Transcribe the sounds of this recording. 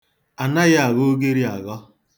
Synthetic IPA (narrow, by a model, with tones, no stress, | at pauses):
a˨na˦ɣa˦a˨ɣo˦ɡe˦ɾi˦a˨ɣɔ˦